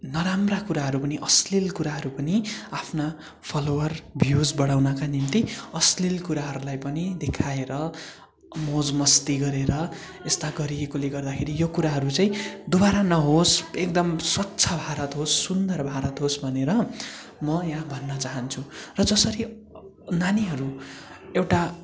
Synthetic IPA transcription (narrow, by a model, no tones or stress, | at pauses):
nʌɾamrakuɾaɦʌɾupʌniʔʌslilkuɾaɦʌɾupʌniapʰna | pʰʌlowʌrbʱjud͡zbʌɽawnʌkanimt̪iʌslilkuɾaɦʌɾulajpʌnid̪ekʰaeɾʌ | mod͡zmʌst̪iɡʌɾeɾʌ | est̪aɡʌɾiekoleɡʌrd̪akʰeɾijokuɾaɦʌɾut͡saĩd̪obaɾanʌɦosek̚d̪ʌmswʌtːsʰʌbʱaɾʌt̪ɦosːund̪ʌrbʱaɾʌt̪ɦosbʱʌneɾʌ | mʌjãbʱʌnːʌt͡saɦʌnt͡sʰurʌd͡zʌsʌɾi | naniɦʌɾuewʈa